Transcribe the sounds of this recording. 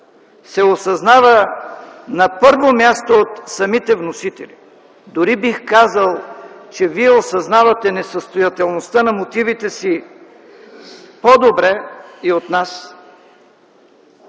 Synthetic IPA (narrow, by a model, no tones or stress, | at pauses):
sɛosɐznavə | nɐpɤɾvomʲjast̪ot̪sɐmit̪ɛvnosit̪ɛli | d̪oɾibixkazəlˠt͡ʃɛviɛosɐznavɐt̪ɛnɛsəst̪ojɐt̪ɛlˠnost̪ənɐmot̪ivit̪ɛsi | pod̪obɾɛiot̪nas